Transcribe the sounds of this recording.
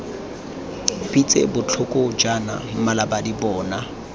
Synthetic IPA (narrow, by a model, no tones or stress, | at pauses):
bit͡sʼḛbʊt͡ɬʰʊkʼɔd͡ʒana̰m̩malabadibɔːna